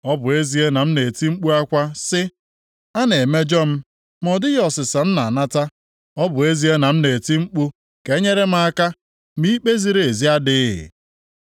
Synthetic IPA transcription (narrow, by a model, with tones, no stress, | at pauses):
ɔ˦bʊ˨e˦zi˦e˦na˨m̩˦ne˨ti˦ŋ͡m̩˦k͡pu˦a˦kʷa˦sɪ˦ | a˦ne˨me˦d͡ʒɔ˦m̩˦ | m˦ɔ˨dɪ˦jɔ˨sɪ˨sa˨m̩˦na˨a˨na˦ta˦ | ɔ˦bʊ˨e˦zi˦e˦na˨m̩˦ne˨ti˦ŋ͡m̩˦k͡pu˦ | ke˦ɲe˦ɾe˦m̩˦a˦ka˦ | mi˦k͡pe˦zi˦ɾe˨e˨zi˦a˦dɪ˦ɪ̰˨